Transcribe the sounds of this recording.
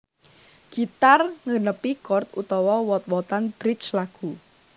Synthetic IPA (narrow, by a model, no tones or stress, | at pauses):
ɡ̥it̪arŋənəpikɔrt̪ut̪ɔwɔwɔt̪wɔt̪anb̥ɾɪt͡ʃlaɡ̥u